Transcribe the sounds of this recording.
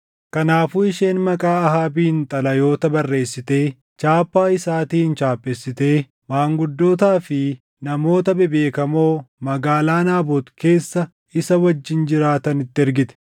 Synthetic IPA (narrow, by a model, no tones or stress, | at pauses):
kɐnaːfuːɪʃe̞ːnmɐkʼaːɐɦaːbiːnt̪ʼɐlɐjo̞ːt̪ɐbɐrːe̞ːsːɪt̪e̞ː | t͡ʃaːpːaːɪsaːt̪iːnt͡ʃaːpʼːɛsːɪt̪e̞ː | maːŋɡʊd̪ːo̞ːt̪aːfɪ | nɐmo̞ːt̪ɐbɛbe̞ːkɐmo̞ːmɐɡaːlaːnaːboːt̪ke̞ːsːɐ | ɪsɐwɐd͡ʒːɪnd͡ʒɪɾaːt̪ɐnɪt̪ːɪɛɾɡɪt̪ɛ̥